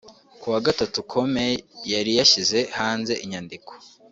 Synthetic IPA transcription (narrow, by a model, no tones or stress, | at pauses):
kuwaɡatatukʰo̞me̞jaɾijaʃize̞haːnze̞ʔiɲandiko